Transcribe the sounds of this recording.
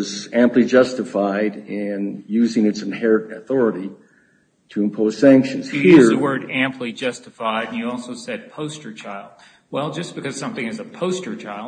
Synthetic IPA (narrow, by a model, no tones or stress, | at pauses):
zæ̃mplid͡ʒʌstɨfaɪɾɪ̃njʉzɪ̃ŋɨtsɨ̃n̩hɛɹɨɾɨθɔɹɨɾi | ɾɨɨ̃mpʰoʊz̥sæ̃ŋkʃɨ̃nz̥ɨhjiɹðɨwɜ˞ɾæ̃mpʰlid͡ʒʌstɨfaɪɾ̃n̩jɨɔlˠsoʊsɛd̚pʰoʊstə˞t͡ʃʰaɪlˠd̥̚ | wɛlˠd͡ʒʌsb̥ɨkʌz̥sʌ̃mθɪ̃ŋɨzəpʰoʊstə˞t͡ʃʰaɪlˠ